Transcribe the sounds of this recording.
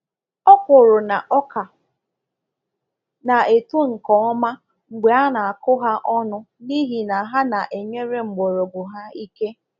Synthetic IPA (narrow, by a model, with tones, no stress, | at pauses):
ɔ˦kʊ˨ɾʊ˨na˨ʔɔ˦ka˨ | na˨e˨tu˦ŋ̩˨kɔ˨˦ɔ˦ma˦ | ŋ͡m̩˨ɡ͡be˨a˦na˨a˨kʊ˦ɦa˦ʔɔ˦nʊ˦ | ni˦ɦi˨na˨ɦa˦na˨ʔe˨ɲe˦ɾe˦ŋ͡m̩˨ɡ͡bo˨ɾo˨ɡ͡bʊ˨ɦa˦i˦ke˦